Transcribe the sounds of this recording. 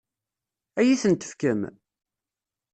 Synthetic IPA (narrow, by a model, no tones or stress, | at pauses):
æjiθənt̪ə̥fkəm